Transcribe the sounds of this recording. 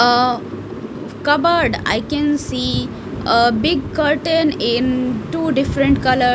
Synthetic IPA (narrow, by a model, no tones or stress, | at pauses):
kʌbəɾɖa̰ɪkɛ̃nsiː | əbɪɡ̚kəɾʈə̃nɪ̃nʈuːɖɪfɾə̃ɳʈkʌlə